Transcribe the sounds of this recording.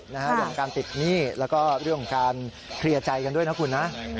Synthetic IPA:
na˦˥kʰa˦˥ɾŋʰo˨˩ŋkaː˧nt̪i˨˩t̪̚niː˥˩lɛː˦˥wkɔː˥˩ɾɯ˥˩əŋkʰo˨˩ŋkaː˧n | kʰɾi˧ɐt͡ɕa˧jka˧ndu˥˩əjna˦˥kʰu˧nːa˦˥ʔ

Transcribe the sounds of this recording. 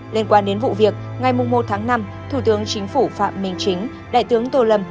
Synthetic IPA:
li˧ənkwaː˧nɗe˨˦nvṵ˧˨vi˨˩ək̚ŋa˨˩jmʊ˨˩ŋ͡mːo˨˩t̚t̪ʰaː˨˦ŋna˧m | t̪ʰu˧˩t̪ɨ˨˦əŋt͡ɕï˨˦ŋ̟fu˧˩fa̰ː˧˨mːï˨˩ŋ̟t͡ɕï˨˦ŋ̟ | ɗa̰ː˧˨jt̪ɨ˨˦əŋt̪o˧lə˨˧˩m

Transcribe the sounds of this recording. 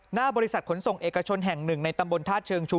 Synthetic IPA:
naː˥˩bɔː˧ɾi˦˥sa˨˩t̪̚kʰo˩˦nso˨˩ŋʔeː˨˩ka˧t͡ɕʰo˧nɦɛ˨˩ŋnɯ˨˩ŋna˧jt̪a˧mbo˧nt̪ʰaː˥˩t̪̚t͡ɕʰɤː˧ŋt͡ɕʰuː˧

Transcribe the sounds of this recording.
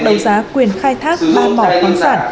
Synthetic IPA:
ɗə˨˦wzaː˨˦kwi˨˩ənxaː˧jt̪ʰaː˦˥k̚ɓaː˧˩mɔ̰˧˩ka˨˦saː˧˩n

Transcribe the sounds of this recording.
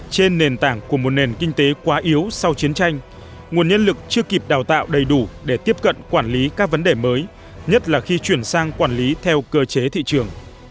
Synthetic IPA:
t͡ɕe˧nːe˨˩nt̪a̰ː˧˩ŋku˧˩əmo˨˩t̚ne˨˩nkï˧ŋ̟t̪e˨˦kwaː˨˦ʔi˨˦əwsa˧wt͡ɕi˨˦ənt͡ɕa˧jŋ̟ | ŋu˨˩ənɲə˧nlɨ˨˩k̚t͡ɕɨ˧əki˨˩p̚ɗaː˨˩wt̪a̰ː˧˨wɗə˨˩jɗu˧˩ɗe˧˩t̪i˦˥əp̚kə̰˧˨nkwaː˧˩nli˨˦kaː˦˥k̚və˨˦nɗe˨˩məː˨˦j | ɲə˦˥t̚laː˨˩xi˧t͡ɕwi˧˩ənsaː˧ŋkwaː˧˩nli˨˦t̪ʰɛ˧wkəː˧t͡ɕe˨˦t̪ʰḭ˧˨t͡ɕɨ˨˩əŋ

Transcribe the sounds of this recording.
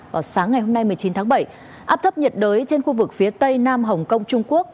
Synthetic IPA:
vaː˨˩wsaː˨˦ŋːa˨˩jhɦo˧mna˧jmɨ˨˩əjt͡ɕi˨˦nt̪ʰaː˨˦ŋɓə˧˩j | ʔaː˦˥p̚t̪ʰə˦˥p̚ɲə˨˩t̚ɗəː˨˦jt͡ɕe˧nxu˧vɨ˨˩k̚fi˨˦ət̪ə˧jnaː˧mɦə˨˩wŋ͡mkə˧wŋ͡mt͡ɕʊ˧ŋ͡mku˦˥ək̚

